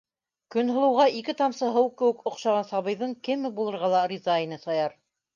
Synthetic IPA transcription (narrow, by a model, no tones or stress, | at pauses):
kɵ̆nɦŏlˠɤ̆wʁɑʔikɘt̪ɑmsɤɦɤwkɘ̆wɘ̆kŏqʃɑʁɑnsɑβɤ̆jðɤɴkɘmːɘbulˠɤ̆ɾʁɑlˠɑrʲizajnɤsɑjɑɾ